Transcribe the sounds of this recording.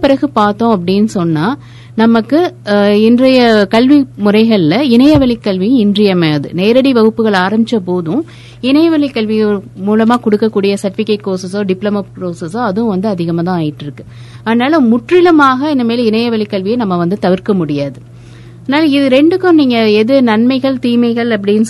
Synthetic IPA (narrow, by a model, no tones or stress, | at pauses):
pɪɾɐɣɯpaːɾt̪ːõːɐp̬ːɐɽɪnːɯsɔnːaː | nɐmɐkːɯɪndrɐjɐkɐlʋimʊrɐɪɣɐɭɪlɐɪnɐjɐʋɐɭɪkːɐɭʋij̃ɪndrɪjɐmeðɯ̰neːɾɐɽiʋɐɣɯpːɯɣɐɭaːɾɐmbɪt͡ʃːɐp̬oːðʊ̃ | ɪnɐjɐʋɐɭɪkɐɭʋɪɣɐmuːlɐmaːkɔɽɯkːɐkːuːɽɪjɐsɐʈːɪfɪkːɐʈ̚koːsɐsoːɖɪplɐmɐpɾoːsɐsoːɐðɯ̃ʋɐnd̪ɯɐðɪɣɐmaːt̪ãːaːjɪʈːɪɾɯkːɯ̥ | ɐðɐnaːlɐmʊʈrɪlɐmaːɣɐɪnd̪ɐmeːlɐɪnɐjɐʋɐɭɪkːɐɭʋɪjɐnɐmːɐʋɐnd̪ɯt̪ɐʋɪɾkɐmʊɽɪjaːðɯ | ɐðɐnaːlɐɪðɯɾɛɳɖɯkːʊ̃mniːŋɡɐɛðɯnɐnmɐɪɣɐɭt̪iːmɐɪɣɐɭɐp̬ːɐɽɪn